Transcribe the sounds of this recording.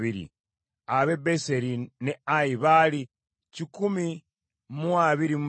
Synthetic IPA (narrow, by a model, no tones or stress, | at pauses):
βiɾḭ | aβebeseɾineaiβali | cikumi | muaβiɾimu